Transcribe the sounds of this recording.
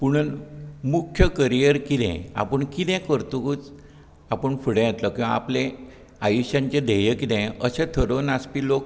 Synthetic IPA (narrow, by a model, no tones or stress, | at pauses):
puɽ̃ənmukʰjəkəɾijəɾkit̪ɛ̰̃a̰pəɳkid̪ɛ̃kəɾt̪ukuːt͡s | apəɳfuɽẽjet̪lɔkĩʋa̰aplẽ | ajuɕjãɲt͡ɕed̪ejəkid̪ɛ̃əsẽt̪ʰəɾonaspiːlok̚